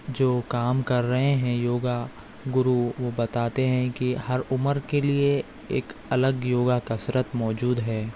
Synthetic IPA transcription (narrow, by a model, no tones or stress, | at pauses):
d͡ʒoːkaːmkɐɾːɐɦẽɦɛ̃joːɡa | ɡʊɾuʋobɐt̪aːt̪eɦɛ̃kihɐɾʊməɾkelie | eːkɐləɡjoːɡakɐsɾət̪mɔːd͡ʒuːd̪ɦɛː